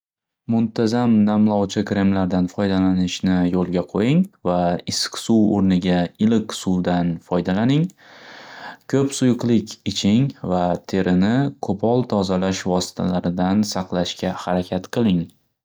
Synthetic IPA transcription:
mʊnt̪ʰazamnamlˠɒwt͡ʃʰɪkɾe̞mlaɾd̪anfɒjd̪alanɪʃnɪjolˠɡʲaqʰojɪŋvaɪskʲsuwoɾnɪɡʲaɪlɪqsud̪anfɒjd̪alanɪŋ | kʲʰɵpsʊjʊqlˠɪkʲɪt͡ʃʰɪŋvat̪ʰe̞ɾʔɪnɪkʰopʰɒlˠt̪ʰɒzalaʃvɒsɪ̥t̪ʰa̰laɾɪd̪ansɑqlˠaʃkʲahaɾakʲʰat̪qʰɨlˠɪŋ

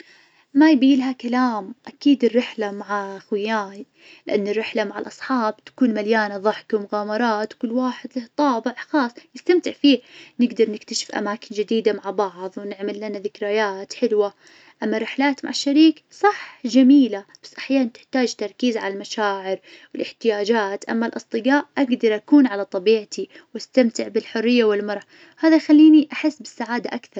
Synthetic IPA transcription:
majbiːlɦakalaːmʔakiːd̪ɪrːɪħlamaʕaxwjaːn | lɪʔanːɪrːɪħlamaʕalʔɑsˤħɑːbt̪ḁkuːnmaljaːnaðˤɑħkiwmʊɣaːmɑɾˤɑːt̪wkʊlːwaːħɪd̪laht̪ˤɑːbɪʕxɑːsˤjɪst̪amt̪ɪʕfiːnɪɡd̪ɑɾˤnɪkt̪aʃɪ̥fʔa̰maːkɪnd͡ʒɪd̪iːd̪amaʕbɑʕðˤwnɪʕmɪlːanaðɪkɾajaːt̪ħɪlwa | ʔamːarːɪħlaːt̪ma̰ʕaʃːaɾiːksˤɑħd͡ʒamiːlabḁsːʔaħjaːnant̪ɪ̥ħt̪aːd͡ʒt̪ɑɾˤkiːzʕa̰lalmaʃaːʕɪɾ | wɪlʔɪħt̪ɪjaːd͡ʒaːt̪ʔa̰mːalʔɑsˤt̪ˤɨɡaːʔʔaɡd̪ɑɾˤʔakuːnʕalat̪ˤɑbiːʕt̪ʰi | wast̪amt̪ɪʕbɪlħʊrːɪjːawɪlmɑɾˤʕa | haːðajxalːiːniʔaħɪsːbɪsːaʕaːd̪aʔakθɑɾˤ

